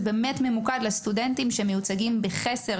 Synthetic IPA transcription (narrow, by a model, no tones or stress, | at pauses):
be̞ːmetme̞mukadlestudentimʃemejut͡saɡimbeχese